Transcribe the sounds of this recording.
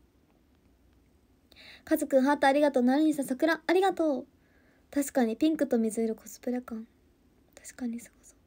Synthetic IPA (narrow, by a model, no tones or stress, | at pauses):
kazɨkɯ̟̃ɦat̪ːaːɾʲiɡat̪o̞ːnaɾʲiɲ̟isasakɯ̟ɾaːɾʲiɡat̪o̞ː | t̪aɕi̥kaɲ̟ipʲĩŋkɯ̟t̪o̞mʲizɨiɾɯ̟kʰo̞sɨ̥pɯ̟ɾakãn | t̪ḁɕi̥kaɲ̟iso̥ko̥so